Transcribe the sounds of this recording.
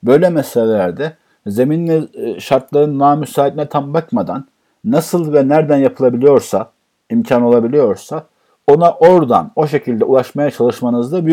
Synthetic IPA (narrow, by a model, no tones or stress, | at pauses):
bø̞jlʲɛmɛselʲellʲæɾd̪ɛ | ze̞minvɛʃaɾt̪lˠaɾɯnːaːmysaːid̪inɛt̪ʰambakmad̪anː | asɯlˠvɛnæɾd̪ænjapʰɯlˠabilʲijo̞ɾsa | imcʰano̞lˠabilʲijo̞ɾsa | o̞naʔo̞ɾd̪a̰no̞ʃe̞cʰilʲd̪ɛulˠaʃmajat͡ʃʰalˠɯʃmanɯzd̪aby